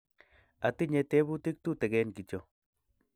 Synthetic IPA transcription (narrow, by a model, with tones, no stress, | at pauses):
a˨t̪i˦ɲe˧t̪e˦bu˦t̪i˦k̚t̪u˦t̪e˨ɡe˦nki˨t͡ʃo˧